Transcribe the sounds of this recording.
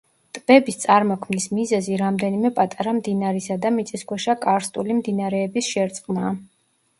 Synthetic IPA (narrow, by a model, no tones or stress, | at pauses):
t̪ʼb̥ɛbist̪sʼaɾmɔkʰmnismizɛziɾamd̪ɛnimɛpʼat̪ʼaɾamd̪inaɾisad̪amit̪sʼiskʰwɛʃakʼaɾst̪ʼulimd̪inaɾɛːbisʃɛɾt̪sʼqʼmaː